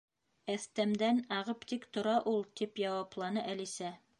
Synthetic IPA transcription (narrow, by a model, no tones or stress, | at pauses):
æθt̪æmd̪ænɑʁɤpt̪ikt̪ŏɾɑʔulˠt̪ipjɑwɑplˠɑnɤʔælisæ